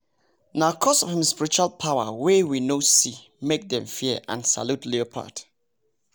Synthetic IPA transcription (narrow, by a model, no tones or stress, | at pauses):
naʊkʰɔsɔvɪ̃mspiɹit͡ʃualpʰaʊə̰wɛwinosi | mek̚dɛ̃mfiəʔã̰nsa̰lutʰliopʰa̰d